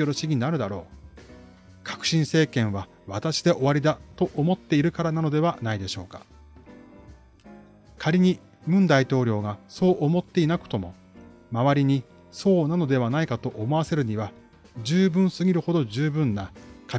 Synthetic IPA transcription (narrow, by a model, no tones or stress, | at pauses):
oɾoɕiɡʲiiaɾɯ̟d̪aɾo̞ː | kʰḁkɯ̟̥ɕĩɰ̃se̞ːkẽ̞ɰ̃βa | βat̪aɕi̥d̪e̞ʔo̞βaɾʲid̪at̪o̞ʔomo̞t̪ːe̞iɾɯ̟kaɾanano̞d̪e̞β̞anaid̪e̞ɕo̞̰ːkḁ̰ | kʰaɾʲiɲ̟i | mɯ̟̃nd̪ait̪o̞ːɾʲo̞ːɡaso̞ːʔomo̞t̪ːe̞inakɯ̟̥t̪o̞mo̞ | maβaɾʲiɲ̟i | so̞ːnano̞d̪e̞β̞anaikat̪o̞ʔomo̞ase̞ɾɯ̟ɲ̟iβa | d͡ʑɨːbɯ̟̃ɰ̃sɨɡʲiɾɯ̟ho̞d̪o̞ʑɨːbɯ̟̃nːakʰa